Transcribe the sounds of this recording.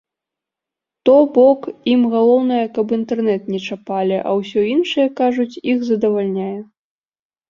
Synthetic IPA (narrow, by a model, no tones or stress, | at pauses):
t̪ɔbɔkimɣalˠɔwnɐjɐkɐpint̪ɛrnɛt̪nʲɛt͡ʂapalʲiʔɐ̰wsʲɔinʂɨjɛkaʐut͡sʲixzɐd̪ɐvalʲnʲajɛ